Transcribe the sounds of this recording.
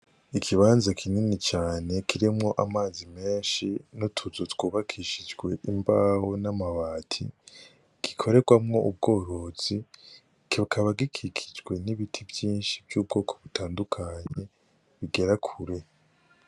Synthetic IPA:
ikʰiβaːnzakʰininit͡ʃaːne̞kʰiɾimŋo̞ʔamaːzime̞ːnʃinotʰuzotwuːβakʰiʃid͡ʒɡwe̞ʔimbaho̞namaβaːtʰḭ | ɡ̥ikʰo̞ɾe̞ɡwamŋo̞ʔub̚ɡo̞ːɾo̞z̥i | kikʰaβaɡikʰikʰi̥d͡ʒɡwe̞niβitʰivjiːnʃivjuːb̚ɡo̞ːkʰo̞̥βutaːndukʰaːɲe̞ | βiɡe̞ɾakʰuɾe̞

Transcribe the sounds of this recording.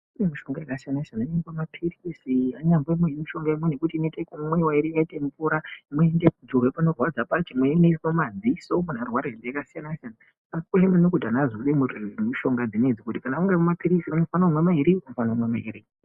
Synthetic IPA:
inemiʃo̞ŋɡaekasijanasanaiɲambomapʰirisiaɲamboimweimiʃo̞ŋɡaimwene̞kutiːnetekumwe̞waiɾiʋaitemupuɾamweendekud͡zorepano̞rwad͡zapat͡ʃemweineisomad͡zisomunarwaɾeendeakasijanasijana | asikuemenokudʱanaziʋemumuʃo̞ŋɡad͡zined͡zikutikanamuŋɡamumapiɾisianofanaumwemaiɾikunofanaumwema̰ḭɾi

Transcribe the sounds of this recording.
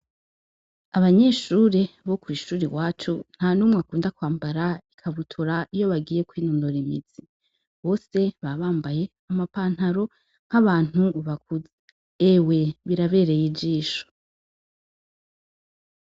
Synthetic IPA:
aβaɲe̞ʃuɾeβo̞kwiʃuːɾiwaːt͡ʃun̥hanuːmŋakuːndakwaːmbaɾaikʰaβutʰuɾaijo̞βaɡiːje̞kwiːnumdoɾimiz̥i | βo̞ːse̞βaβaːmbaje̞ | amapaːn̥haɾo̞ | ŋ̥aβaːn̥uβak̚uzeː | we̞βiɾaβe̞ɾe̞jid͡ʒiːʃo̥

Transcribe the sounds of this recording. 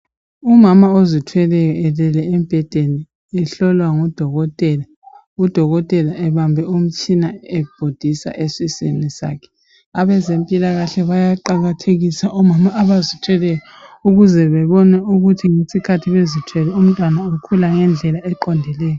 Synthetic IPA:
umamaozitʰwɛlɛjɔɛlɛlɛɛmbʱɛd̥ʱeni | ɛɬɔlwaŋɔd̥ʱɔɣɔtʼɛla | ud̥ʱɔɣɔtʼɛlaʔɛβambʱɛum̩t͡ʃʼinaɛb̥ʱod̥ʱisa̰ʔesisḛnisa̰kʰɛ̥ | aβɛzempʼilaɣaɬɛβajaǃaɣatʰeɣisaʔɔmamaːβazitʰwɛlɛjɔ | uɣuzɛβɛβɔnɛuɣutʰiŋesikʰatʰiβezitʰwɛlɛum̩tʼwanaokʰulaŋɛnd͡ɮʱɛlaɛǃɔndʱɛlɛːjɔ

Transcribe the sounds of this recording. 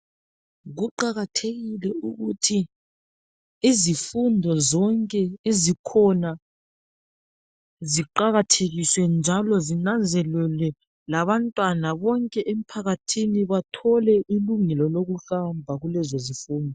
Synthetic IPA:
ɣuǃaɣatʰeɣilɛuɣutʰi | izifundʱɔzɔŋkʼɛezikʰɔna | ziǃaɣatʰeɣiswɛnd͡ʒʱalɔzinand͡zʱɛlɛlɛ | laβantʼwanaβɔŋkʼɛʔem̩pʰaɣatʰiniβatʰɔlɛʔiluŋɛlɔloɣuɬambʱaɣulɛzozifuːndʱɔ

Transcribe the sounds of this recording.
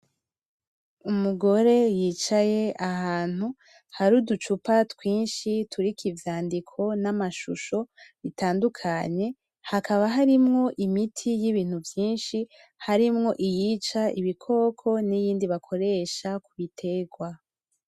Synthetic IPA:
umuɡo̞ɾe̞jiːt͡ʃaje̞ahaːn̥hu | haɾudut͡ʃupatwiːnʃituɾikivjaːndikʰo̞namaʃṵʃo̞βitaːndukʰaɲe̞ | hakʰaβaɦaɾimŋo̞ʔimitʰijiβiːn̥uvjiːnʃi | haɾimŋo̞ʔijiːt͡ʃaiβikʰo̞ːkʰo̞nijiːndiβakʰo̞ɾe̞ʃakuβitʰe̞ɡwa

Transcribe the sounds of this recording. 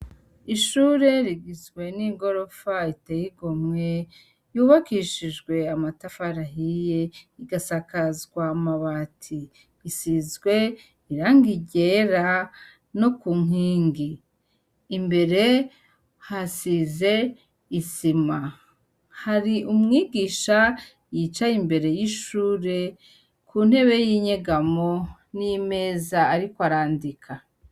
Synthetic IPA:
iʃuɾe̞ɾiɡizɡwe̞niŋɡo̞ɾo̞faitejiɡo̞mŋe̞ | juːβakiʃiʒɡwe̞amatafaɾaɦije̞iɡasakazɡwamaβatʰiː | sizɡwe̞ | iɾaːŋɡiɟeɾa | no̞kuŋiːŋɡiː | mbe̞ɾe̞ | hasize̞ | isima | haɾiʔumŋiːɡiːʃa | jit͡ʃaimbe̞ɾe̞jiʃuːɾe̞ | kʰuːn̥he̞βe̞jiːɲeɡamo | nime̞ːzaːɾikoaɾaːndikʰa

